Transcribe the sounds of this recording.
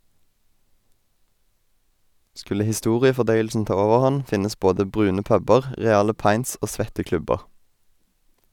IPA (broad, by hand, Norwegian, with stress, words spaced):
ˈskʉlə hɪˈstuːʁɪəfɔˌdœʏəlsn̩ ˈtɑː ˈoːʋəʁˌhɑn ˈfɪnəs ˈboːdə ˈbʁʉːnə ˈpœbəʁ ˈʁeːɑlə ˈpɑɪnts ˈoː ˈsʋɛtə ˈklʉbəʁ